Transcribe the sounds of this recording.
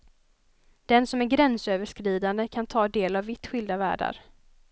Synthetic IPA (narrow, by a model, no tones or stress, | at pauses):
d̪̥ɛnsɔmæɾɡɾɛnsøːvəʂkɾiːd̪and̪əkʰant̪ʰɑːd̪eːlavːɪt̪ːɧʏld̪avæ̰ːɖa̰ɾ